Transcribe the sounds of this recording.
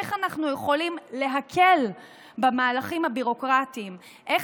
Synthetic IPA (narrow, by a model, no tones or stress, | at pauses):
eχanaχnujeχo̞limle̞ɦakʰe̞l | bamaːlaχimhabiʁo̞kʁatiːm | ʔe